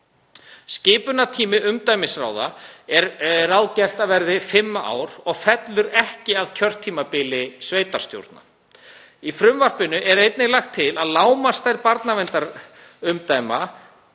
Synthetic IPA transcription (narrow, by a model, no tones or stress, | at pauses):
scɪːpʏnat̪ʰiːmɪʔʏmt̪ajmɪsɾa̰ːwðaɛɾrawðcɛr̥t̪aðvɛɾðɪfɪmːaa̰ːwɾɔɣfɛt̪lʏɾɛhcɪaðcʰœr̥t̪ʰːiːmapɪlɪsvejt̪aɾ̥st̪jo̰wɾt̪na̰ | ifɾʏmvar̥pɪnʏʔɛɾejt̪nɪɣlaxt̪ʰːɪlaðlaːwmast̪ajɾpaɾt̪navɛnt̪aɾ | ʏmt̪ajma